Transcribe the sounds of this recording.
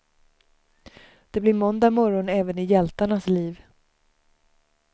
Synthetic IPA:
d̪̥ɛblɪɾmɔnd̪amɔɾɔnɛːvənɪjɛlt̪aɳasliːv

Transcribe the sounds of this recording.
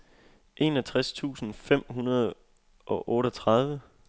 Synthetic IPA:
ʔe̝̰ːnɒt͡sʰʁast͡sʰṵːsn̩fem̰ɦunɐð̞ˠ | ʔɒ̽ʔɔ̽ːɾət͡sʰʁɑ̈ð̞ˠʋə

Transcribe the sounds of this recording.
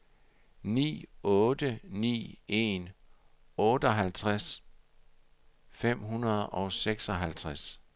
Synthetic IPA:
nḭːɔːd̥ənḭːe̝̰n | ɔ̽ːd̥əɒɦælt͡sʰʁas | fem̰ɦunɐðˠɒ̽ʊseɡ̥sɒɦælt͡sʰʁas

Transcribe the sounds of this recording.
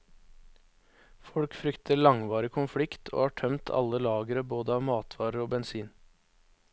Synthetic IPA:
fɔɽkfɾʏkt̪ʰəɭɑŋʋɑːɾɪkʰʊnfɽɪkt̪ʰo̰ːhɑːʈʰœmt̪ʰɑ̰ləlɑːɡəɾəboːd̪əɑːʋmɑːt̪ʰʋɑːɾəɾoːbɛnsiːn

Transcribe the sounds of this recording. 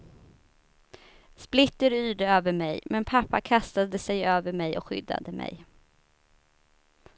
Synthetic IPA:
splɪt̪ːəɾyːɖəøːvəɾmɛjmɛnpʰapːa̰kʰast̪ad̪əsɛjøːvəɾmɛjɔ̰kɧʏ̰d̪ːa̰d̪əmʔɛ̰j

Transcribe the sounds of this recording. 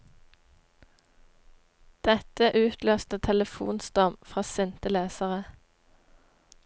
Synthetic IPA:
d̪̥ɛt̪əʔʉːt̪ʰløːst̪ət̪ʰɛləfṵːnst̪ɑmfʁɑːsɛnt̪əleːsəʁə

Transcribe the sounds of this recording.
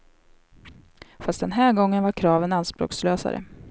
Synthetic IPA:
fast̪̚d̪ɛnɦæːɾɡɔŋːənvaɾkʰɾɑːvənanspɾo̰ːksløːsa̰ɾə̰

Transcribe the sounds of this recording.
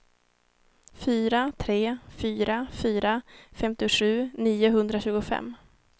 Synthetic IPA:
fyːɾat̪ʰɾeːfyːɾafyːɾafɛmt̪ɪɧʉ̟ːniːʊɦɵnd̪ɾaɕʉ̟ːɡʊfɛ̰mː

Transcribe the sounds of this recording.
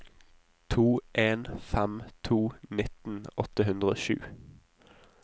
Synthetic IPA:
t̪ʰuːʔeːnfæmt̪ʰuːnɪt̪n̩ɔt̪əhʉnd̪ʁəo̰ːʃʉ̰ː

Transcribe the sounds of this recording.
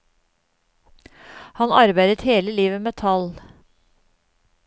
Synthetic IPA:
hɑnɑɾbæɪd̪ət̪heːləliːʋəmeːt̪ʰɑl

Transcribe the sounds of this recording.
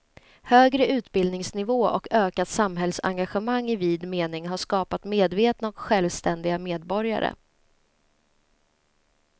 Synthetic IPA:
høːɡɾəʉ̟ːt̪bɪld̪nɪŋsnɪvoːʔɔ̰kʰøːkat̪samɦɛlsa̰ŋɡaɧəmaŋːɪviːd̪meːnɪŋɦaʂkɑːpat̪meːd̪veːt̪naɔkɧɛlvst̪ɛnd̪ɪɡameːd̪bɔɾja̰ɾə̰

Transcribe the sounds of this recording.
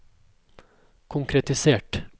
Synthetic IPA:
kʰʊŋkʰɾɛt̪ɪseːʈ

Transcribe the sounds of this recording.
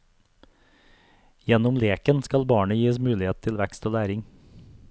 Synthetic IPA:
jɛnʊmleːkənskɑlbɑːɳəjiːəsmʉːlɪeːt̪̚t̪ʰɪlʋækst̪ʰoːlæːɾɪŋ

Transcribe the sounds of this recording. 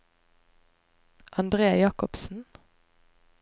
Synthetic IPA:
ʔɑnd̪ʁeːjɑːkɔpsn̩

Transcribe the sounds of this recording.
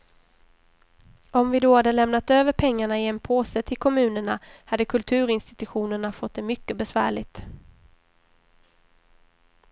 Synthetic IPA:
ʔɔmvɪd̪oːhad̪ːəlɛmnat̪øːvəɾpʰɛŋːaɳaɪɛnpʰoːsət̪ʰɪlkʰɔmʉ̟ːnəɳahad̪ːəkʰɵlt̪ʰʉ̟ːɾɪnst̪ɪt̪ɵɧuːnəɳafɔt̪̚d̪ɛmʏkːəbɛsvæ̰ːɭɪɡ̚t̪

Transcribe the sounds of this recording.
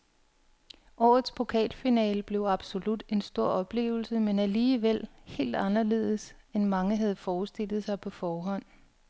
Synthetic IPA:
ʔɒ̰ːð̩ˠspʰo̝kʰɛ̰ːlfinɛ̰ːləb̥le̝ʊɑ̈b̥so̝lud̥e̝nsd̥o̝ɐ̰ɒ̽b̥le̝̰ːʊl̩səmenæliːʋel̰he̝̰ːld̥ɑ̈nɐle̝ːð̞̰ˠəsenmɑ̈ŋəɦæð̞̩ˠfɒːsd̥e̝l̰ð̞̩ˠsɑ̈ɪpʰɒ̽fɒːɦɒ̽n̰

